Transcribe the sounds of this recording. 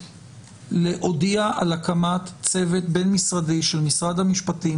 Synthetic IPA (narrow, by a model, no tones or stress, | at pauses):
leʔo̞diaʔalakamat̪t͡se̞ve̞t̪be̞nmisʁadiʃelmisʁad̪hamiʃpati